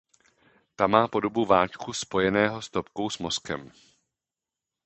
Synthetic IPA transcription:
t̪amaːpo̞do̞buvaːt͡ʃkuspo̞jɛnɛːɦo̞st̪o̞p̚kowsmo̞skɛ̰m

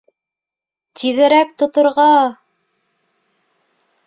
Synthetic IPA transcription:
t̪iðɘ̆ɾæk̚t̪ŏt̪ŏɾʁɑ

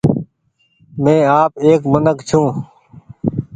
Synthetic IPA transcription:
mẽːaːpeːkmənəkt͡ʃʰũː

